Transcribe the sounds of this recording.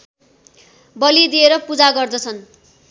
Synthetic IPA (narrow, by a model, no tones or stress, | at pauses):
bʌlid̪ieɾʌpud͡zaɡʌrd̪ʌt͡sʰʌn